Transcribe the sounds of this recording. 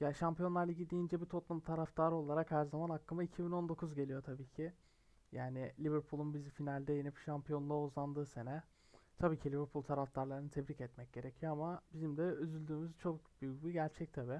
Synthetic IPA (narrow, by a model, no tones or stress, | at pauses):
jaːʃampijo̞nˠaɾlˠiɟid̪ːiːnd͡ʒɛbit̪ʰo̞p̪lˠumt̪ʰaɾaft̪ʰaːɾɯo̞lˠaɾakhæɾzamanakːˠɯmaicʰibino̞nd̪o̞kʰuzɟe̞lʲijo̞t̪ʰabiːcʰɪ | jaːnɪlʲiveɾpʰulˠunbizifinalʲd̪ɛjenipʃampijo̞nunˠaozlˠand̪ɯːse̞nɛ | t̪ʰabiːcʰilʲiveɾpʰulˠt̪ʰaɾaft̪ʰaɾlˠaɾɯnɯt̪ʰɛbɾicɛt̪mɛc̚ɟ̥e̞ɾecʰijo̞amabizimd̪ɛøzylʲd̪yːmyzt͡ʃʰo̞k̚byjybiɟæɾt͡ʃʰɛc̚t̪ʰabi